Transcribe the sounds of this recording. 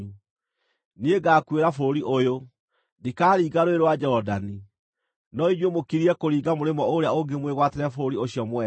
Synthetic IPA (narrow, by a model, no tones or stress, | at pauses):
nieɡaːkweɾafoɾoɾiʔojo | ndekaːɾiːɣaɾoeɾwad͡ʑɔɔdani | nɔiɲjomokiɾiɛkoɾiːɣamoɾemɔoɾeaoŋɡemweɣwateɾɛfoɾoɾioɕjɔmwɛ